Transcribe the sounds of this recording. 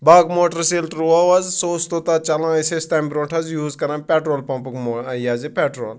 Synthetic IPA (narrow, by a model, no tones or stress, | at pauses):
baːɡmoːʈəɾsilʈɾʋɐʋɐzsoːst̪ot̪ɐt͡ʃɐlãːisest̪ambɾõːʈʰɐzjuːzkɐɾɐ̃npʲɛʈɾoːlpɐ̃mpukmojaːzipʲeʈɾoːl